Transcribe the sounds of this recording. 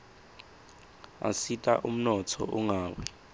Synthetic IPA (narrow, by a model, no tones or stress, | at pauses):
a̰sitʼa̰ʔum̩nɔtʰɔ̰ʔuŋaːwɛ